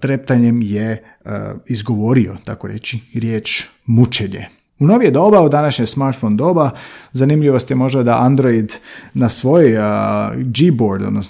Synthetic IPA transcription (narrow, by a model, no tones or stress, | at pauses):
t̪ɾep̚t̪aɲe̞mjḛ | izɡo̞ʋo̞ɾio̞̰t̪akoɾe̞t͡ʃiɾje̞ːt͡ʃ | mut͡ʃeɲḛ | unoʋjed̪o̞baud̪anaʃɲojsmaɾt̪fond̪o̞ːbazanimʎiʋost̪jemo̞ʒd̪ad̪aʔand̪ɾoid̪nasʋo̞j | d͡ʒiboɾd̪od̪nos